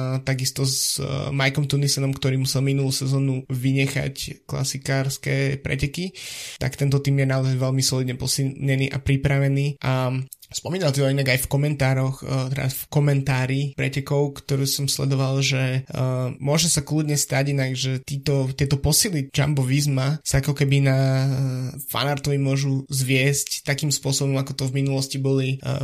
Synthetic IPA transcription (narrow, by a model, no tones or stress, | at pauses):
t̪aɡist̪ɔzmajkɔmt̪unisɛnɔmkt̪ɔɾiːmusɛlminuluːsɛzɔːnuʋiɲɛxa̰ckla̰sikaːɾskɛːpɾɛ̰cɛkit̪a̰kt̪ɛnt̪ɔt̪iːmjɛnaɔzajʋɛlmisɔlid̪ɲɛpɔsiɲɛniːʔapɾipɾaʋɛniːʔa | spɔmiːnalˠt̪iɔinaɡajfkɔmɛnt̪aːɾɔxt̪ɛɾafkɔmɛnt̪aːɾipɾɛ̰cɛkɔʊkt̪ɔɾuːsɔmslɛ̰d̪ɔʋalʒɛ | mʊɔʒɛsaklud̪ɲɛst̪aɟinaɡʒɛt̪iːt̪ɔt̪ɪɛt̪ɔpɔsilid͡ʒa̰mbɔʋizmasaakɔkɛbina | fa̰naɾt̪ɔʋimʊɔʒuzʋɪɛsct̪ːakiːmspʊɔsɔbɔmakɔt̪ɔvminulɔscibɔli